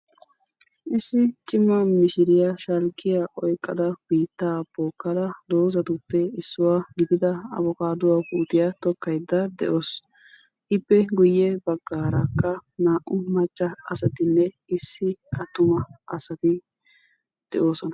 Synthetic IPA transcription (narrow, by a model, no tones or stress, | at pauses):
ʔɪsːɪt͡ʃʼɪmːɐmɪʃɪɾɪjaʃɐlkʼːɪjaʔɔjkʼːɐd̪ɐb̥iːt̪ːaːboːkːɐd̪ɐd̪o̞ːzɐt̪ʊpːɛɪsːʊwaːɡɪd̪ɪd̪ɐɐ̰bɔkaːd̪ʊwaːkuːt̪ɪjɐt̪ɔkːɐjd̪ːɐd̪ɛ̰ʔo̞ːs | ʔɪpːɛɡʊjːɛbɐɡːaːɾɐkːɐnaːʔʊmɐt͡ʃːɐɐsɐt̪ɪnːɛ | ɪsːɪɐt̪ːʊmɐɐsɐt̪ɪ | d̪̥ɛʔo̞ːsɔnɐ